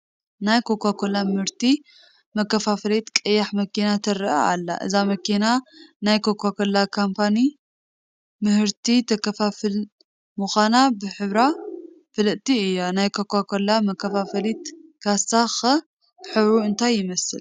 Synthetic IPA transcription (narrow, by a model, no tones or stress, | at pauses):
najkʰokʰʷːakʰolːamɨhɨɾt̪i | mɐkːɐfafɐlit̪kʼɐjːaħmɐkʰinat̪ʰɐɾa̰a̰lːa̰ʔɨ̰zamɐkʰinanajkʰokʰʷːakolːakʰampʰani | mɨhɨɾt̪ʰit̪ʰɐkɐfafil | mɨxʷanabɨħɨβɾa | fɨlɨʔt̪iɨjːonajkʰokʰʷːakʰolːamɐkʰːɐfafɐlit̪kʰastaxɐ | ħɨβɾuɨnt̪ʰajːɪmɐsɨ̰l